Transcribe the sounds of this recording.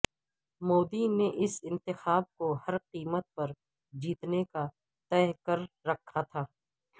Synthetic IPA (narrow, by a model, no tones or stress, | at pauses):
moːd̪ineʔɪsɪ̃nt̪ɪxaːb̚kohɐɾqiːmət̪̚pɐɾ | d͡ʒiːt̪neka | t̪ɛɦkəɾːɐkʰːat̪ʰaː